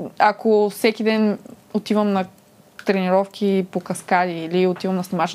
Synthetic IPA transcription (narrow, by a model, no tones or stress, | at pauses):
ɐkofsɛkid̪ɛn | ot̪ivɐmnɐ | t̪ɾɛniɾɔfkʰʲipokɐskad̪iːliot̪ivɐmnɐsnʲimat͡ʃ